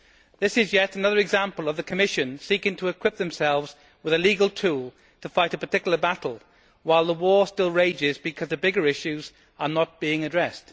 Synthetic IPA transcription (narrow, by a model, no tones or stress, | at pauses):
ðɪsɪzjɛtənʌðə˞ɨɡzãmpəlˠəvðəkʰəmɪʃɨ̃nsikɪ̃ŋtʰəɪkʰw̥ɪp̚ðə̃msɛlˠvz | wɪðəliːɡəlˠtʰuːlˠ | tʰəfaɪɾəpə˞tʰɪkjl̩ˠəbatˡl̩ˠ | waɪlˠðəwɔːstɪlˠɹeɪd͡ʒɪzbɨkʰʌzðəbɪɡə˞ɪʃʉz | ənət̚b̥iɪ̃ŋədɹɛst